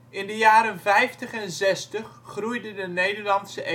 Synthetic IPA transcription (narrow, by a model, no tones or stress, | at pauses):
ʔɪndəjaːɾənvɛjftəχɛnzɛstəχːrujdədənejdəɹlɑntsəʔ